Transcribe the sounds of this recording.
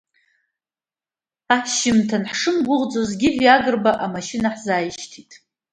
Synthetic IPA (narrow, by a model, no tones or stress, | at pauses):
aʃɪmtʰanħʂɨmɡʷʊʁd͡zozɡʲɪħʷjaɡɨrbaʔamaʃinaħzaːjiʃtʰitʼ